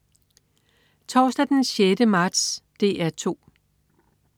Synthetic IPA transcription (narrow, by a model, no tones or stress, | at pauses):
t͡sʰɒːsd̥æd̥enɕjedəmɑ̈ːd̥sd̥e̝̰ːæɐt͡sʰo̝̰ː